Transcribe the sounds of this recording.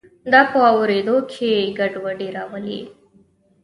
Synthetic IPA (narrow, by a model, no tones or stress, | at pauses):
d̪ɑpəawɾed̪okʰeɡaɖwaɖiɾawəlḭ